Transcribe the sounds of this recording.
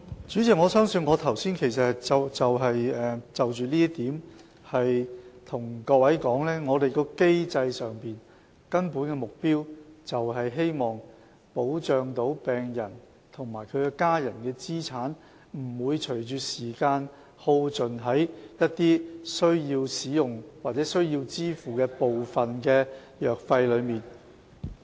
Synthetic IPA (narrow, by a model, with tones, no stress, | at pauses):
t͡ʃyː˨˥t͡sɪ˨k̚ŋɔː˨˧sœː˥ŋsɵ˧nŋɔː˨˧t̪ʰɐ˨˩wsiː˥nkʰe˨˩js̬ɐ˨t͡sɐ˨wt͡sɐ˨wɦɐ˨jɛː˨˧t͡sɐ˨wt͡ʃyː˨liː˥t̪iː˨˥m | hɐ˨jt̪ʰʊ˨˩ŋkɔː˧wɐ˨˥jkɔː˨˥ŋlɛː˥ŋɔː˨˧t̪e˨jkɔː˧ke˥jt͡sɐ˧jsœː˨ŋpiː˨n | kɐ˥npuː˨˥nkɛː˧mʊ˨k̚piː˥wt͡sɐ˨wɦɐ˨jɦe˥jmɔː˨ŋ | po˨˥wt͡ʃœː˨ŋt̪o˨˥wpɛː˨ŋjɐ˨˩n | t̪ʰʊ˨˩ŋmaː˨˩jkʰɵ˨˧ɥkɛː˧kaː˥jɐ˨˩nkɛː˧t͡siː˥t͡sʰaː˨˥n | m̩˨˩wuː˨˧jt͡ʃʰɵ˨˩ɥt͡ʃyː˨˧tsiː˨˩kaː˧n | ho˧wt͡sɵ˨˩nɦɐ˨˥jjɐ˥t̚t̪iː˥sɵ˥ɥjiː˧wsiː˨˥jʊ˨ŋwaː˨t̚t͡sɛː˨˥sɵ˥ɥjiː˧wt͡siː˥fuː˨˩kɛː˧po˨wfɐ˨nkɛː˧ | jœː˨k̚fɐ˧jlɵ˨˧ɥmiː˨n